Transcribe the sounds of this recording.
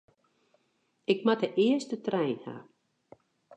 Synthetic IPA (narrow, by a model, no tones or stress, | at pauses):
ɪkmatəʔɪəstətrɛjnha̰